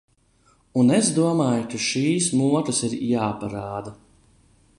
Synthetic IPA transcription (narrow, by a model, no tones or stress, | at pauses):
unezd̪uɔmaːjkaʃiːsmuɔt̪ɐsiɾjaːpaɾaːd̪a